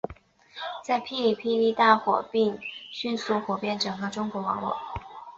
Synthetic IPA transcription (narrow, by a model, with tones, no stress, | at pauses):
t͡sa˥˧ɪpʰi˥li˨˩pʰi˥˧li˥˧t̪a˥˩xwɔ̰˨˩pi˥˧ŋɕy˥˧nsu˥˩xwɔ˨˩pjɛ˥˩nʈ͡ʂɤ˨˩ŋɡə˧˦ʈ͡ʂʊ˥ŋkwɔ˧˥wɑ˧˥˦ŋlwɔ̰˨˩˦